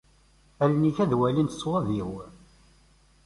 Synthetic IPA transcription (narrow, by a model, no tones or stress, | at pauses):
ælniçæðwælinsˤːwɑðjiw